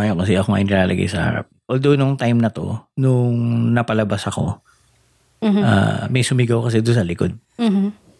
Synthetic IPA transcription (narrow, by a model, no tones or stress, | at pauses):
ajokɐs̬ɛʔɐkoŋa̰ʔɪnɪɾaːlʔɐɡa̰jsɐ̰ha̰ɾa̰p̚ʔold̪onʊŋt̪ajmnɐt̪o̞̰nʊŋnɐpɐlɐbasɐko̞̰ | a̰mɐjsʊmɪɡɐwkɐs̬ɛd̪ʊnsɐlɪkod̪̩̚